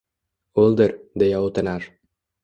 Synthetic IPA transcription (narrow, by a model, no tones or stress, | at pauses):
ulˠd̪ɨɾd̪ejaot̪ɤ̆nɑɾ